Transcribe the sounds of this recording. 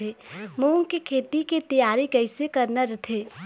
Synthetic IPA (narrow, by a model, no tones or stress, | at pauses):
eːmuːŋkekʰeːt̪ikit̪ɐjaːɾikɐɪsekɐɾnaɾɐt̪ʰeː